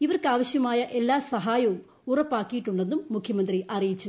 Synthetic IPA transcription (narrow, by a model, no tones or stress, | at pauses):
iʋɐrkɨaːʋɐɕjɐmaːjɐʔe̞lːaːsɐɦaːjɐʋu | urɐpːaːkːijiʈːuɳɖe̞nːumːukʰjɐmɐnd̪riʔɐrijit͡ɕːu